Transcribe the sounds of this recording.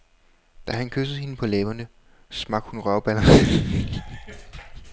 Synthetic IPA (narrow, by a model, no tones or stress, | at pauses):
d̥æɦænkʰøsð̩ˠhe̝nəpʰɒ̽leːbɐnə | smɑ̈ɡ̥hunʁɶɐb̥ælɐ